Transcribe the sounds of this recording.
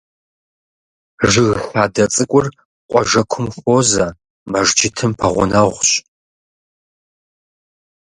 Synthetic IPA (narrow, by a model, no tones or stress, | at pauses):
ʒɪɣħaːdɐt͡sʼɨkʷʼʊr | qʷʼɔʒɐkʷʰʊmxʷoːzɐ | mɐʒd͡ʒɪtʰɨmpʰɐʁʷʊnaʁʷɕ